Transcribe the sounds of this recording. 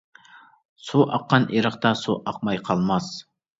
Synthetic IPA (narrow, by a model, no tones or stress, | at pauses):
suʔɑqːɑnʔiɾəqt̪ɑsuʔɑq̚mɑjqʰɑlˠmɑs